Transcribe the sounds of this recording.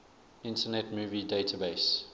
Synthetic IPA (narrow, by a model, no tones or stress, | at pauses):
ɪ̃ntənɛtmuːvideɪtʰabeɪs